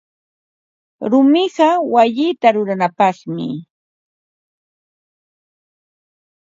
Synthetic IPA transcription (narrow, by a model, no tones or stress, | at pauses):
ɾʊmɪɢɑwaʎɪːt̪aɾʊɾanapɑχmɪ̰